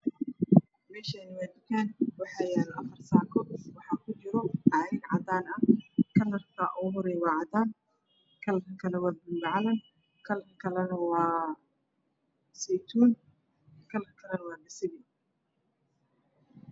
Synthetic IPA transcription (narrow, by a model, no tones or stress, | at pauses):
mɛːʃɐnɪwaːd̪ɪkʰɛːnwɑħɑːjɛːlʔɐfɐrsaːkʰɔwɑħɑːkʰʊt͡ʃɪɾɔaːɾɪnʕɑd̪aːnɐkʰɐlɐrkʰɐʔɔɦɔɾɛjwɑːʕɑd̪aːn | kʰɐlɐkɐkʰɐlɛwɑːbɪlbʕlɐn | kʰɐlkʰɐlɛnɐwɑː | sɛjt̪ʰuːn | kʰɐlɐkʰɐlɛnɐwɑːdɐsɪβɪ